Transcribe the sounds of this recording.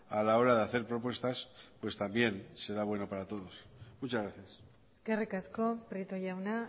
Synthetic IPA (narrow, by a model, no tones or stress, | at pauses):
alao̞ɾaðeaθe̞ɾpɾo̞p̬we̞st̪aspwe̞st̪ambje̞nse̞ɾaβ̞we̞no̞paɾat̪o̞ð̞osmut͡ʃazɣɾaθjas | ske̞rikasko̞pɾet̪oʝawna